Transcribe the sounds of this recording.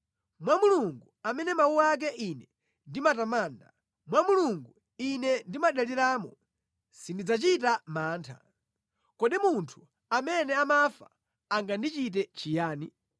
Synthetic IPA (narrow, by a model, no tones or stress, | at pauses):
mwamuluŋɡuamɛnɛmawuak̬ɛʔinɛ | ndimatamaːnda̰ | mwamuluŋɡu | inɛndimaɗaliɾaːmɔ | sindid͡zat͡ʃitamaːntʰa̰ | kɔɗimuntʰu̥ | amɛnɛamafa̰ː | ŋɡandit͡ʃit̬ɛt͡ʃijaːni